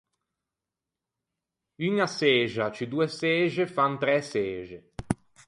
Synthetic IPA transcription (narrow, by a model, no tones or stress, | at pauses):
yŋaseːʒat͡ʃid̪uːesɛːʒefant̪ɾɛseːʒe